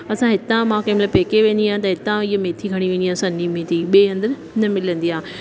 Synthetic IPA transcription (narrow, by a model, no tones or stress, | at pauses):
ɐsãɦɪt̪ãmãkẽmlapeːkeʋẽːnd̪iãːt̪̬ɐɦɪt̪ãɪɦəmeːt̪ʰiɡʱɐɽ̃iʋẽːniãːsɐ̃nimẽːt̪iɓeːɦɐ̃nd̪əɾ | nɐmɪlə̃nd̪iãː